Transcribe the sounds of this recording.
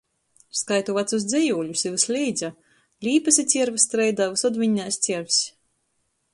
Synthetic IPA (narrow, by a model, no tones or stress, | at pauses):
skajt̪uvat̪sus̬d̪zɛjuːʎʲusivɨslʲijd̪za | lʲiːpɨsʲit̪sʲiɛɾvɨst̪ɾɛjd̪avɨsɔd̪vʲiɲːajst̪sʲiɛɾvsʲ